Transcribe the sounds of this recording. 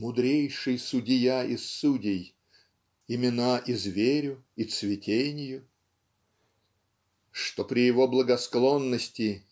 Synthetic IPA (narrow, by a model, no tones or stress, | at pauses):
mʊd̪ɾʲejʂɨjsʊdʲɪjaʔɪsːudʲɪj | ɪmʲɪnaʔizvʲeɾʲʊ | it̪svʲɪtʲʰenʲɪjʊ | ʂt̪opɾʲɪjɪvoblˠəɡɐsklˠo̞nːəsʲtʲɪ